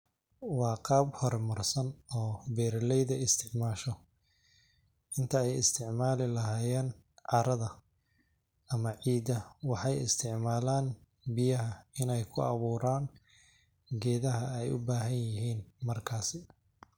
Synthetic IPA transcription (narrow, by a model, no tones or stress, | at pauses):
wɑːqɑːbhɔrmɐrsɐnɔːbɛːɾlɛjðɐɪst̪ʰɪʕmaːʃɔ | ʔɪnt̪ʰɐɛjɪst̪ʰɪʕmaːlɪlɐɦaːjɛːn | ʕɑɾɐðɐ | ɐmɐʕiːd̪ɐwɑħɑjɪ̰st̪ʰɪʕmaːlaːn | bɪjɐɦɐɪnɛjkʰʊɑβuːɾaːn | ɡɛːðɐɦɐɛjʊ̰baːɦɐnjɪɦiːnmɐrkʰaːsɪ